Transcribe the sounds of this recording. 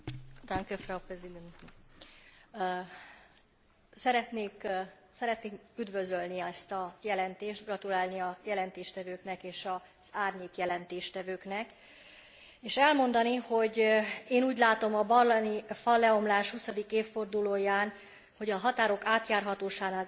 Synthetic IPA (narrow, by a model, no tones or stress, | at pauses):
d̪aŋkɛfrawprɛzid̪ɛnt̪ | sɛɾɛt̪neːk | sɛɾɛt̪neːkyd̪vø̞zølniɛst̪ɒjɛlɛnt̪eːʃt̪ɡrɒt̪ulaːlniɒjɛlɛnt̪eːʃt̪ɛvøːknɛkeːʃɒ | z̥aːrɲeːkjɛlɛnt̪eːʃt̪ɛvøːknɛk | eːʃɛlmo̞nd̪ɒniho̞ɟeːnuːɟlaːt̪o̞mɒbɒrlɛnifɒlːɛo̞mlaːʃhusɒd̪ikeːfːo̞rd̪uloːjaːn | ho̞ɟɒɦɒt̪aːɾo̞kaːt̪jaːrɦɒt̪oːʃaːnaːl